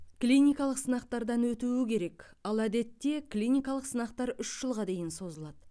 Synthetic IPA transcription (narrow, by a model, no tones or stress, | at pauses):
klʲinʲijkɑlˠəqsənɑqt̪ɑɾd̪ɑnwɵt̪uwɪkʲʰe̞ɾe̞k | ɑlˠæd̪e̞t̪ːe̞klʲijnʲijkɑlˠəqsənɑqt̪ɑɾʏʃʒ̥əlˠʁɑd̪e̞jɪnso̞zəlˠɑd̪̥ə